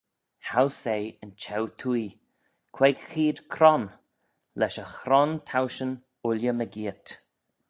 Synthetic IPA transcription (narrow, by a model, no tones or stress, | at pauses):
hawsejənt͡ʃʰɛwt̪ʰui | kʰweɡxiːd̪kʰɾɔn | lɛʃəxɾɔnt̪ʰawʃən | ʊljəməɡiːət̪